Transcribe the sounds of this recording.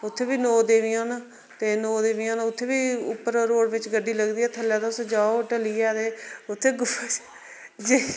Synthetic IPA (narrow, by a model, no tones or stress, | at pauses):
ʊt̪ʰːeːbiːnoːd̪eːʋijãːna | t̪eːnoːd̪eːʋijãːnʊt̪ʰːeːbiːʊ̰pːəɾɾoːɽʋɪt͡ʃɡəɖːiːləɡd̪iːɛːt̪ʰəljaːt̪asd͡ʒaːoʈəliːɛːd̪eːʊt̪ʰːeːɡʊpʰːat͡ʃ | d͡ʒiː